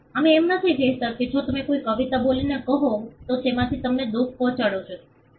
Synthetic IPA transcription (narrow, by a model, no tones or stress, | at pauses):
əmeːmnət̪ʰid͡ʒeɦt̪əɾkit͡ʃʰot̪əmekoikəʋit̪abolinekəɦõt̪ot͡ʃemãt̪ʰit̪əmned̪uk̚ʰpɔ̃t͡ʃaɽot͡ʃʰo